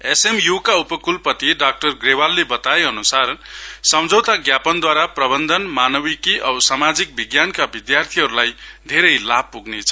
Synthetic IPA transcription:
esemjukaupʌkulpʌt̪iɖak̚ʈʌrɡrewalːebʌt̪aeʌnusarsʌmd͡zʱʌwt̪aɡjapʌnd̪waɾaprʌbʌnd̪ʱʌnmanʌbikiʔʌbsamad͡zik̚biɡjankabid̪jart̪ʰiɦʌɾulajd̪ʱeɾʌjlab̚puɡnet͡sʰʌ

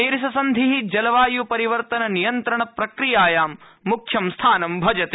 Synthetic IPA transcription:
eːɾisɐsɐnd̪ʱiɦid͡ʒɐlɐʋaːjupɐɾiʋɐɾt̪ɐnɐnijɐnt̪ɾɐɳɐpɾɐkɾijaːjaːmː | ukʰjɐmst̪ʰaːnɐmbʱɐd͡ʒɐt̪eː

